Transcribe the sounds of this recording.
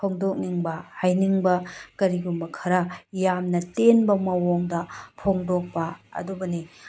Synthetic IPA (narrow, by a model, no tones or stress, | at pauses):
pʰoŋdok̚niŋbɐhajniŋbɐkɐɾiɡumbɐkʰɐɾɐjamnɐtenbɐmɐwoŋdɐpʰoŋdok̚pɐɐ̰dubɐni